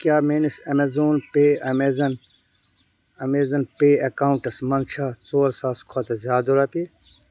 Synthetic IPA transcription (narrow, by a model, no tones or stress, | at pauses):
kjaːmeːnisɐmezoːnpeːɐmeːzɐn | ɐmeːzɐnpeːɐkaːwɳʈɐsmɐnt͡ʃʰaːt͡soːɾsaːskʰɐt̪ɐzʲjaːd̪oɾɐpeː